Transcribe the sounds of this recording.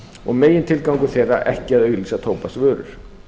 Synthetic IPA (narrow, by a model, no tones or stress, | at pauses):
ɔɣmeːjɪnt̪ʰɪlkawŋkʏθeːjrːa̰ʔɛhcɪaðœːɥɣlisat̪ʰoːwpast̪vœːɾʏ̰ɾ̥